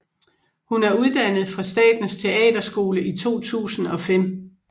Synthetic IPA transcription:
hunæɐuð̞ˠd̥ænð̞̩ˠfʁɑ̈sd̥ɛ̰ːd̥n̩st͡sʰe̝ɛ̰ːd̥ɐsɡ̥o̝ːləʔit͡sʰo̝̰ːt͡sʰṵːsn̩ɒ̽fem̰

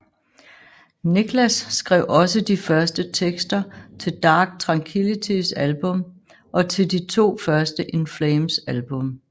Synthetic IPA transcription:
niɡ̥ʰlæsːɡ̥ʁɛʊʔɒ̽səd̥ifɶɐsd̥ət͡sʰeɡ̥sd̥ɐt͡sʰe̝ld̥ɑ̈ːɡ̥̚t͡sʰʁɑ̈ŋkʰilit͡sʰisælb̥ɔ̽m | ʔɒ̽t͡sʰe̝ld̥it͡sʰo̝̰ːfɶɐsd̥əʔenfleɪmsælb̥ɔ̽m

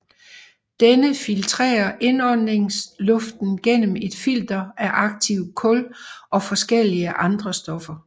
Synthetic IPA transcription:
d̥enəfilt͡sʰʁɛ̰ːɐʔe̝nɒdne̝ŋslɔ̽fd̥n̩ɡ̥en̰m̩e̝d̥fild̥ɐʔæʔɑ̈ɡ̥̚t͡sʰiʊkʰɔ̽lʔɒ̽fɒ̽sɡ̥el̰iəʔɑ̈nd̥ʁɐsd̥ɒ̽fɐ

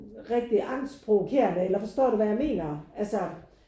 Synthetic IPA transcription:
ʁɛɡ̥̚d̥iʔɑ̈n̰spʰʁo̝ʋokʰe̝̰ːɐnəelɐfɒ̽sd̥ɔ̰ːɾ̥uʋæjäme̝̰ːnɐælsə

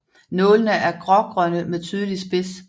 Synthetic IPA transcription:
nɔ̽ːlənəʔæɐɡ̥ʁɒɡ̥ʁœnəmeðˠt͡sʰyːð̞ˠəlisb̥e̝s

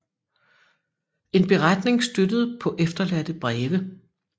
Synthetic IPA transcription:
e̝nb̥e̝ʁad̥ne̝ŋsd̥ød̥əð̞̩ˠpʰɒ̽ʔefd̥ɐlæd̥əb̥ʁɛːʋə

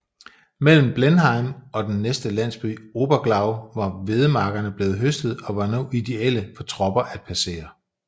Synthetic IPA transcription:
mel̰m̩b̥lenɦɑ̈ɪmɒ̽d̥enːesd̥əlæn̰sb̥y̰ːo̝ːb̥ɐɡ̥lɑ̈ʊʋɑ̈ʋe̝ð̞ˠəmɑ̈ːɡ̥ɐnəb̥le̝ːð̞̩ˠɦøsd̥ð̞̩ˠɒ̽ʋɑ̈no̰ːʔid̥e̝el̰əfɒ̽t͡sʰʁɒ̽b̥ɐʔæd̥̚pʰæse̝̰ːɐ

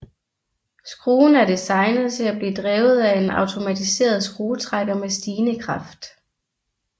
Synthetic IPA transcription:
sɡ̥ʁuːn̩æɐd̥isɑ̈ɪnəð̩ˠt͡sʰe̝læb̥liːd̥ʁɛːʊð̞̩ˠæe̝nɑ̈ʊt͡sʰo̝mæt͡sʰise̝̰ːɐð̞ˠsɡ̥ʁuːt͡sʰʁaɡ̥ɐmesd̥iːnəkʰʁɑ̈fd̥

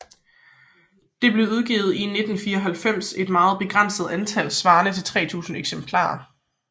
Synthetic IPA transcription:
d̥e̝b̥le̝ʊuð̞ˠɡ̥ḭːð̞̩ˠine̝d̥n̩fiːɐɒɦælfem̰se̝d̥mɑ̈ːð̞̩ˠb̥e̝ɡ̥ʁɑn̰sð̞̩ˠænt͡sʰælsʋɑ̈ːnət͡sʰe̝lt͡sʰʁɛ̰ːt͡sʰṵːsn̩eɡ̥sempʰlɑ̰̈ːɐ

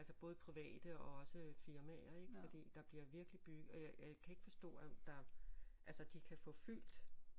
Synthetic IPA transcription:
ælsəb̥ɔ̽ːð̞̩ˠpʰʁiʋɛ̰ːd̥əɒ̽ɒ̽səfiɐmæɐe̝ɡ̥əfɒ̽d̥ḭːd̥ɑ̈b̥liɐʋiɐɡ̥əlib̥yɡ̥̩ˠɒ̽jaakʰæe̝ɡ̥əfɒ̽sd̥ɔ̰̽ːæd̥ɑ̈ʔælsɐd̥ikʰæfɔ̽fyl̰d̥

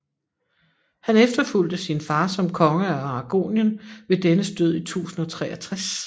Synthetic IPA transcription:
hænefd̥ɐful̰d̥əsinfɑ̈ːsɒ̽mkʰɒ̽ŋəæɑ̈ɡ̥o̝̰ːnjənʋe̝d̥enəsd̥øð̰ˠit͡sʰṵːsn̩ɒ̽t͡sʰʁɛ̰ːɐt͡sʰʁas

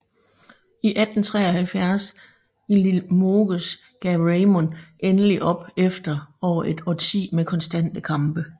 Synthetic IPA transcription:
iʔæd̥n̩t͡sʰʁɛ̰ːɒhælfjæɐs | ilimoɡ̥əs | ɡ̥ɛʁeɪmonʔenəliʔɒ̽b̥efd̥ɐɒʊɐʔe̝d̥ɒt͡sʰḭːmekʰɒ̽nsd̥æn̰d̥əkʰɑ̈mb̥ə

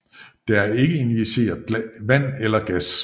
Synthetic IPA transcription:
d̥eæɐe̝ɡ̥əiniise̝̰ːɐðˠʋæn̰elɐɡ̥æs

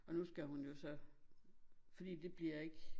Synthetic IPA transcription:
ɒ̽nusɡ̥æɦunjo̝sɒ̽ | fɒd̥ḭːd̥e̝b̥liɐ̰e̝ɡ̥

